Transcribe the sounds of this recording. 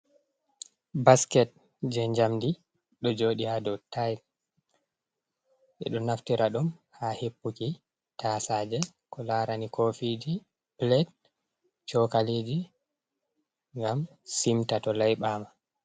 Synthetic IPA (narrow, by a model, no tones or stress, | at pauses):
baskɛt̚ | d͡ʒɛɲd͡ʒamdi | ɗɔd͡ʒoːɗihadɔtajt | ʔɛ̰ɗɔnaftiɾaɗɔmhahepːuki | tʰaːsaːd͡ʒɛkɔlaːɾanikʰofid͡ʒi | blɛd | t͡ʃɔkaled͡ʒi | ŋɡam | simtatɔlajɓama